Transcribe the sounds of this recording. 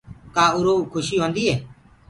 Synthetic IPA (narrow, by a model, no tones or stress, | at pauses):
kaːʊɾoːkʰʊʃiːɦõːnd̪iːɦeː